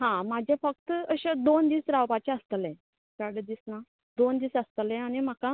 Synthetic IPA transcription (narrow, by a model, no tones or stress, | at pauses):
ɦãmad͡ʑʱẽfək̚t̪əɕẽd̪ond̪iːsɾawpat͡ɕɛ̃əst̪əlɛ̃ | kaɽəd̪iːsna | d̪ond̪iːsəst̪lẽanim̤aka